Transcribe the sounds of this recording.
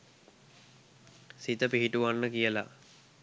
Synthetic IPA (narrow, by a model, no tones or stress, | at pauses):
sit̪əpiɦiʈuʋanːəkijəla̰